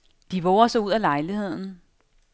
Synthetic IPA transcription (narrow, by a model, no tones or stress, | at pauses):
d̥iʋɔʊɐsɒuð̞̰ˠælɑ̈ɪlihe̝ð̞̰ˠn̩